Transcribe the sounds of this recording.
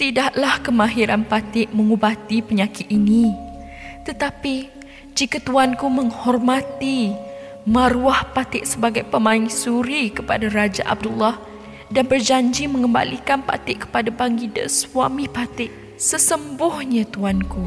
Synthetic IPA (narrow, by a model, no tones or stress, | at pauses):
t̪idaʔlahkəmãɦiɾanpat̪ɪʔməŋubat̪ipəɲakɪt̪̚ini | t̪ət̪api | d͡ʒikat̪uankuməŋhɔrmat̪i | maɾuahpat̪ɪʔsəbaɡajpəmãiŋsuɾikəpa̰daɾad͡ʒa̰ʔa̰b̚dulːah | danbərd͡ʒaɲd͡ʒimə̃ŋəmba̰likanpa̰t̪ɪʔkːə̥padabaŋɡidə̰swamĩpat̪ɪʔ | səsəmbʊhɲãt̪uanku